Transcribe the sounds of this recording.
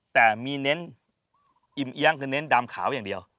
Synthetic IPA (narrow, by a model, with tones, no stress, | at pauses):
t̪ɛː˨˩miː˧ne˦˥n | ʔi˧˩mʔi˧˦˥ŋkʰɯː˧nːe˦˥ndaː˧mkʰaː˩˦wjaː˨˩ŋdi˧əw